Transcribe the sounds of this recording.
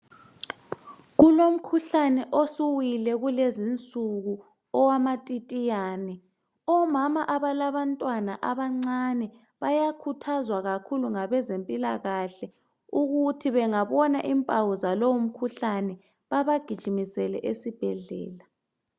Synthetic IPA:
ɣulom̩kʰuɬanɛʔosuwilɛɣulezint͡sʼuɣu | ɔwamatʼitʼijaːnɛ | ɔmamaʔaβalaβantʼwanaʔaβaŋ͡ǀanɛ | βajakʰutʰazwaɣakʰuluŋaβɛzempʼilaɣaɬɛ | uɣutʰiβɛŋaβɔnaʔimpʼawuzalowum̩kʰuɬanɛ | βaβaɡ̥ʱid̥ʒ̥ʱimisɛlɛ̰ʔesib̥ʱɛɮɛ̰ːla

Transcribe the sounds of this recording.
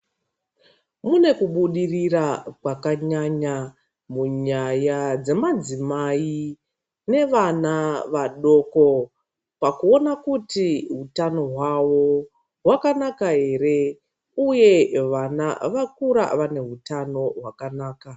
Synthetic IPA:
mune̞kuɓuɗirirakwakaɲaɲa | muɲajad͡ze̞mad͡zimai | ne̞ʋanaʋaɗo̞ko̞ | pakuo̞nakutiɦutano̞ɦwawo̞ | ɦwakanakaɦe̞re̞ | uje̞ʋana̰ʋakuɾa̰ʋane̞ɦutano̞ɦwakanaːka

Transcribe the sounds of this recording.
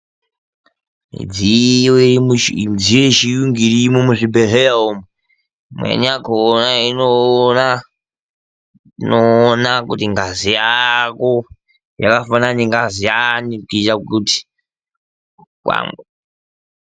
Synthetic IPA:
mḭd͡zioiid͡zijoiʃijuŋɡiɾimomuʐibʱeɦejaome | mwḛɲakonainona | noːnakutiŋɡazijako | ja̰kafananiŋɡazijanikit͡ʃakuti̥ | kwa̰ŋɡe

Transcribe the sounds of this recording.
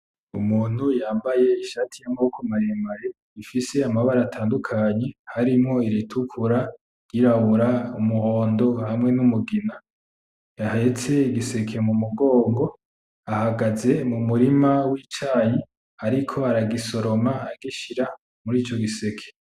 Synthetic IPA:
umuːn̥hujaːmbaje̞iʃaːtʰijamaukomaɾembaɾe | ifise̞amaβaɾaːtʰaːndukʰaːɲe̞haɾimŋo̞iɾitʰukʰuɾa | ɡ̥iɾaβuɾaumuho̞ːndo̞hamŋe̞numuɡina | jahaet͡se̞iɡise̞kʰe̞mumuɡo̞ːŋɡo̞ | ahaɡaze̞mumuɾimawit͡ʃaːji | aɾikʰo̞aɾaɡiso̞ɾo̞maːaɡiʃiɾa | muɾiːt͡ʃo̞ɡise̞kʰe̥

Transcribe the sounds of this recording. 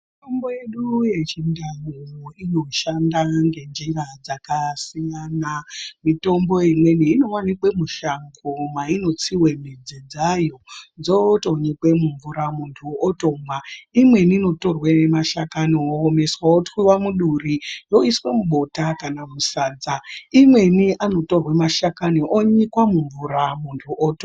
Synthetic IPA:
itomboje̞ɗuje̞t͡ʃindajomoino̞ʃandaŋɡe̞nd͡ʒirad͡zakasijanamito̞mbo̞imwe̞niːno̞wanikwemuʃaŋɡomaino̞t͡siwemid͡zid͡zajo̞nd͡zoto̞ɲikwe̞muɱvuɾamuntʰuotomwaimwe̞niːno̞to̞rwenemaʃakaniome̞swaotwiwamuɗurijo̞iswe̞muɓo̞takanamusaːd͡zaimwe̞niʔano̞to̞rwemaʃakaniʔoɲikwamuɱvuɾamuntʰuʔot

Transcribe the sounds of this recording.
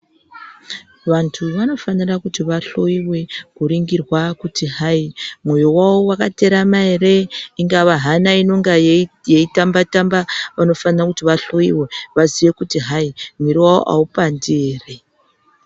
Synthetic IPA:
ʋantʰuʋano̞fanirakutiʋaɬo̞iwe̞kuɾiŋɡirwakutiɦaimwo̞jowawowakateɾamaeɾe̞iŋɡaʋaɦanaino̞ŋɡajeitambatambaʋano̞fanirakutiʋaɬo̞iwe̞ʋaziʋe̞kutiɦaimiɾiwawo̰ʔaupandeːre

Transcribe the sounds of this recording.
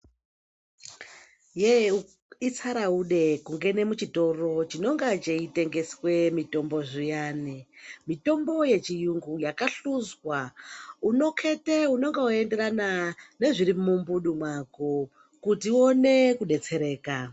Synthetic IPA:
je | it͡saɾauɗe̞kuŋɡe̞ne̞mut͡ʃito̞ro̞t͡ʃino̞ŋɡat͡ʃeite̞ŋɡe̞swe̞mito̞mbo̞ʐijaːnemito̞mbo̞je̞t͡ʃijuŋɡujakaɬuzwauno̞kʰe̞teuno̞ŋɡeue̞nde̞ɾanane̞ʐiɾimumbuɗumwako | kutione̞kuɗe̞t͡se̞ɾe̞ːka

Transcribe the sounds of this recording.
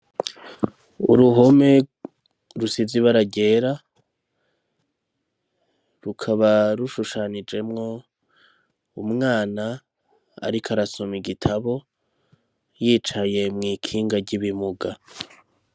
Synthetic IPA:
ṵɾuɦo̞me̞ | ɾusiziβaɾaɟe̞ːɾa | ɾukʰaβaɾuʃuʃanid͡ʒe̞mŋo̞ | umŋaːna | a̰ɾikʰaɾasomiɡitʰaβo̞ | jiːt͡ʃaje̞mŋiːkʰiːŋɡaɾɟiβimuɡa

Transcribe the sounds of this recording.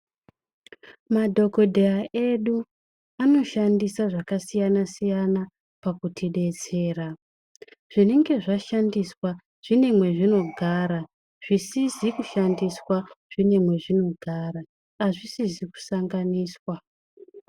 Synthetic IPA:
madʱo̞ko̞dʱejaʔe̞ɗu | ano̞ʃandisaʐakasijanasijana | pakutiɗe̞t͡se̞ːra | ʐ̥ine̞ŋɡe̞ʐaʃandiswa | ʐ̥ine̞mwe̞ʐino̞ɡʱaːɾa | ʐ̥isizikuʃandiswaʐ̥ine̞mwe̞ʐino̞ɡʱaːraː | ʐisiziku̥saŋɡaniːswa

